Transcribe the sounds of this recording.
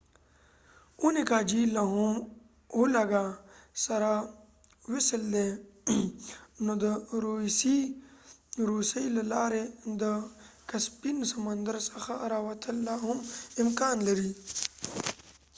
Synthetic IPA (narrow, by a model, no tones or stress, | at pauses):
unikaːd͡ʒiːlaɦum | ɦulɐɡasɐɾa | wisəld̪e | nod̪əɾusi | ɾusəilɐlaːɾed̪ə | kɐspinsɐmɐnd̪əɾsɐxaɐɾawɐt̪ʰəlːaːɦumimkaːnləɾiː